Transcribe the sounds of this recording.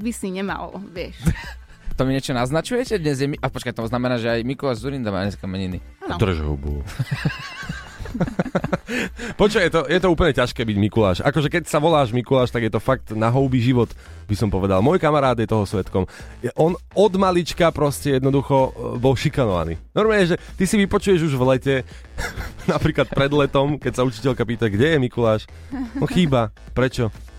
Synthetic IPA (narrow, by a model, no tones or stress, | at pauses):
bisiɲɛma̰lʋɪɛʃ | t̪ɔmiɲɛt͡ʃɔnaznat͡ʃujɛcɛd̪ɲɛzjɛmiʔapɔt͡ʃkajt̪ɔznamɛnaːʒɛajmikulaːʒzuɾind̪ama̰ːɲɛskamɛɲini | t̪ɾ̩ɛʒɦɔ̰bṵ | pɔt͡ʃɔjɛt̪ɔjɛt̪ɔuːpl̩ɲɛcaʃkɛːbiɟmikula̰ːʃʔa̰kɔʒɛkɛcsaʋɔlaːʒmikulaːʃt̪aɡjɛt̪ɔfak̚t̪naɦɔʊbiʒiʋɔt̪ | bisɔmpɔʋɛd̪a̰lmɔjkamaɾaːd̪jɛt̪ɔɦɔsʋɛt̪kɔmjɛʔɔnɔd̪malit͡ʃkapɾɔscɛjɛd̪nɔd̪uxɔbɔlʃikanɔʋa̰nḭːnɔɾmaːɲɛʒɛt̪isiʋipɔt͡ʃujɛʒuʒʋlɛcɛ | napɾiːklat̪̚pɾɛd̪lɛt̪ɔmkɛcsaut͡ʃi̥cɛlkapiːt̪aɡɟɛjɛmikulaːʃ | ɔnxiːba | pɾɛt͡ʃɔ